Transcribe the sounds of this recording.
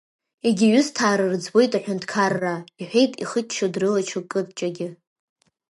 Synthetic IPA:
eɡʲɪɥʊstʰaːɾɨrd͡zbo̞jtʼaħᶣʊntʰkʰarːaiħʷᶣejtʼiχət͡ʃt͡ʃʰːadrɨlat͡ʃʰɨkʼɨb̚t͡ʃʼaɡʲɪ

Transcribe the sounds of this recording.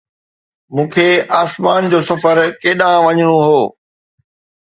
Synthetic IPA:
mũːkʰeaːsmaːnd͡ʑoːsɐfəɾkeːɗãʋɐɲəɽ̃oɦoː

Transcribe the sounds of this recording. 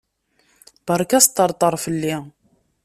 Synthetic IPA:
bəɾˤkæst̪ːəɾˤt̪ˤəɾˤfəlːi

